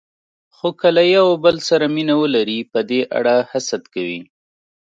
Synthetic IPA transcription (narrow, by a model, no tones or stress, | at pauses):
xokəlajawbəlsaɾaminawəlaɾipəd̪eʔa̰ɽahasad̪kawḭ